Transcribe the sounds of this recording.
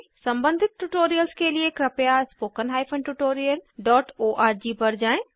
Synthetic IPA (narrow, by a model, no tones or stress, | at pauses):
sɐ̃mbə̃nd̪ʱɪt̪̚ʈuʈoːɾijəlskeliekɾɐpjaspoːkənɦaːjpʰə̃nʈuʈoːɾijəlɖɔːʈoːʔaːɾd͡ʒiːpɐɾd͡ʒãːẽ